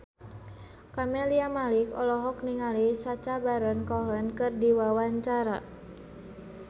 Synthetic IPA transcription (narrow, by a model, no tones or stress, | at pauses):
kameliamalikɔ̰lɔɦɔk̚niŋalisat͡ʃabaɾənkɔɦənkɨrdiwawaɲt͡ʃaɾa